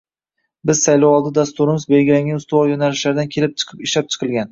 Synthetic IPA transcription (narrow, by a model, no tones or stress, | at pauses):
bɪzsajlowɒlˠd̪ɪd̪ast̪ʊɾɪmɪzbelɡʲɪlaŋɡʲanʊst̪ʊvɒjonalɪʃlaɾd̪ankʲʰe̞lɪp̚t͡ʃʰɨ̥qʰɨpɪʃlap̚t͡ʃʰɨ̥qʰɨlˠɡʲan